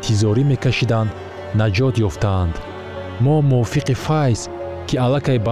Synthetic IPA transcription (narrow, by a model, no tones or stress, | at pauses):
t̪ʰizɔɾimekʰaʃid̪anː | ad͡ʒɔt̪jɔft̪ʰaːnd̪ | mɔmufiqifajs | kʰialakʰajba